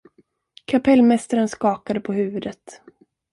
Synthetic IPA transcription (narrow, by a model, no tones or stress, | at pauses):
kʰapʰɛlːmɛst̪aɾənskɑːkad̪əpʰɔɦʉ̟ːvɵd̪ət̪